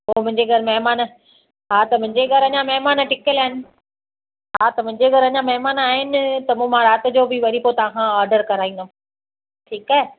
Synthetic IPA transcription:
ɦoːmʊ̃ɦɪ̃ɲd͡ʑeɡʱɐɾmɐɦmaːn | ɦaːt̪ɐmʊ̃ɦɪ̃ɲd͡ʑeɡʱɐɾɐɲãmɐɦmaːnʈɪkəlaːɦɪnɪ̆ | ɦaːt̪ɐmʊ̃ɦɪ̃ɲd͡ʑeɡʱɐɾɐɲãmɐɦmaːnaːɦɪnɪ̆t̪ɐmũːmãɾaːt̪ɪ̆d͡ʑoːbɪʋɐɾipot̪ɐʋ̤ãːkʰãɔːɾɖəɾkɐɾaːĩn̆d̪o | ʈʰiːkaːɦe

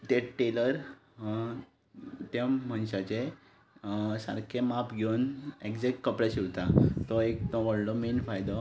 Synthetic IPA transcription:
t̪eʈeləɾ | t̪ẽm̤ənɕat͡ɕe | sa̰ɾkʰemapɡʱewnekd͡zekkəpɾaɕiʋt̪at̪ɔek̚t̪ɔ̃ʋəɽlɔmenfajd̪ɔ

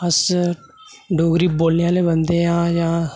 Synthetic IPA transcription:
əs | ɖoːɡɾiːboːlneːaːleːbənd̪eːãːjãː

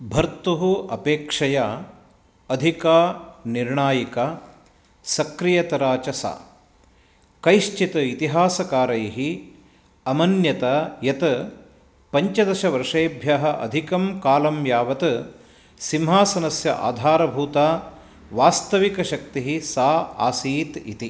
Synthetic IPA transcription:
bʱɐɾt̪uɦuɐpeːkʂɐja | ɐd̪ʱikaːniɾɳaːjika | sɐkɾijɐt̪ɐɾaːt͡ʃɐsa̰ː | kɐjʃt͡ʃit̪ɐit̪iɦaːsɐkaːɾɐjɦi | ɐmɐnjɐt̪ɐjɐt̪ɐ | pɐɲt͡ʃɐd̪ɐʃɐʋɐɾʂeːbʱjaɦɐ̆ʔɐ̰d̪ʱikɐmkaːlɐmjaːʋɐt̪ɐ | simɦaːsɐnɐsjɐ̰ʔa̰ːd̪ʱaːɾɐbʱuːt̪aː | ʋaːst̪ɐʋikɐʃɐk̚t̪iɦisaːa̰ːsiːt̪it̪i

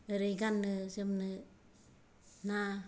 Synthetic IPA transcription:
ɯɾeɡanːɯsemnɯ | na

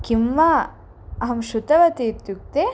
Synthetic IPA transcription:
kimʋa | ɐɦɐmʃut̪ɐʋɐt̪iːt̪juk̚t̪e

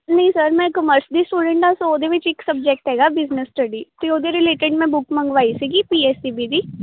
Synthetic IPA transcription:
nɐɦĩsəɾmɛ̃ːkəməɾsd̪iːsʈuːɖə̃ɳʈãsoːd̪eʋɪt͡ʃɪksəb̚d͡ʒɛːk̚ʈɦɛːɡaːbɪznəsːʈəɖiːt̪eoːd̪eɾɪleːʈẽɳʈmɛ̃bʊkmə̃ŋɡʋaːisiːɡiːpiːeːsiːbiːd̪iː

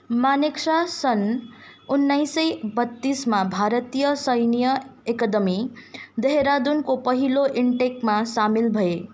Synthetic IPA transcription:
maniksasʌnunːajsʌjbʌt̪ːismabʱaɾət̪ijʌsʌjnijʌekʌd̪ʌmid̪eɦeɾad̪unkopʌɦiloʔiɳʈek̚masamilbʱʌe

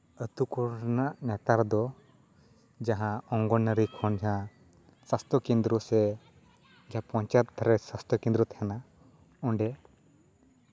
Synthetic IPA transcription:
ət̪ukɔɾnaʔnɛt̪aɾd̪ɔ | d͡ʒaɦãɔŋɡɔnəɾikʰɔnd͡ʒaɦã | sast̪ɔkɛ̃nd̪ɾɔsɛ | d͡ʒãpɔ̃ɲt͡ʃat̪̚d̪ʱaɾɛsast̪ɔkɛ̃nd̪ɾɔt̪hɛna | ɔɳɖɛ

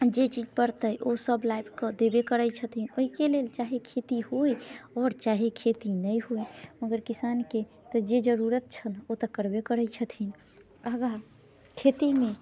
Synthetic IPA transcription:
d͡ʒet͡ʃid͡ʒpəɾt̪əjʔosəblaibkəd̪ebekəɾəjt͡ʃʰət̪ʰinoikelelt͡ʃaɦekʰet̪ihojɔːɾt͡ʃaɦekʰet̪inəjɦojməɡəɾkisanke | t̪ɔd͡ʒed͡ʒəɾuɾət̪̚t͡ʃʰənot̪əkəɾbekəɾəjt͡ʃʰət̪ʰin | əɡa | kʰet̪imẽ

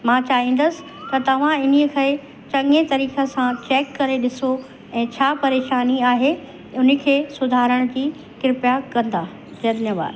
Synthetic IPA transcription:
mãːt͡ɕaːɦĩn̆d̪əsɪ̥̆ | t̪ɐt̪ɐʋ̤ãɪn̤iəkʰɐ | t͡ɕɐ̃ŋet̪ɐɾiːxəsãt͡ɕeːkːɐɾeɗɪso | ɛ̃ːt͡ɕʰaːpɐɾeːʃaːniaːɦe | ʊnə̆kʰeːsʊd̪ʱaːɾəɽ̃d͡ʑiː | kɪɾɪpjakɐ̃nd̪aː | d̪ɐnjəʋa̰ːd̪

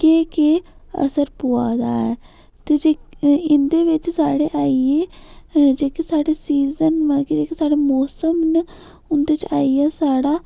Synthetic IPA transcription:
keːkeːə̰səɾpʊːa̰ːd̪a̰ːɛː | t̪eːd͡ʒeːɪnd̪eːʋɪt͡ʃsaːɽeːʔaːieːd͡ʒeːkisaːɽeːsiːzənmãkid͡ʒeːkisaːɽeːmɔːsəmn | ʊnd̪eːt͡ʃa̰ːiːɛːsaːɽaː

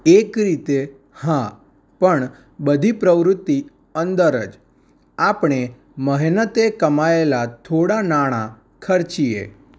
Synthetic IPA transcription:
ekɾit̪e | hã | pəɳ | bəd̪ʱipɾəʋɾʊt̪ːi | ənd̪əɾəd͡ʒ | apɳ̃e | məɦnət̪ekəmaelat̪ʰoɽanaɽ̃a | kʰəɾt͡ʃiḛ

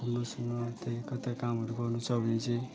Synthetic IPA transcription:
ɦʌmrosʌmːʌt̪ekʌt̪akamɦʌɾuɡʌrnut͡sʰʌbʱʌnet͡sʌ̃

